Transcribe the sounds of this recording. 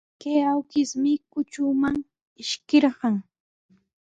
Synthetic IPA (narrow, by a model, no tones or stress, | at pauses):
kejawkɪsmɪkʊt͡ʃʊmaŋ | ɪʃkɪɾɢɑŋ